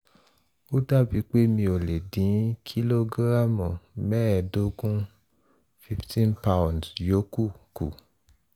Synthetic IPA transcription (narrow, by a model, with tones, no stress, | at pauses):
o˦da˦˨bi˨˧˦k͡pe˦mĩ˧o˨le˨dĩ˨˦kʰi˦lo˦ɡɾa˦˨mɔ̃˨mɛ˦ɛ˧do˧˦ɡũ˦ | fi˦ftʰĩ˦npa˦w̃ndjo˨˦ku˦˨kṵ˨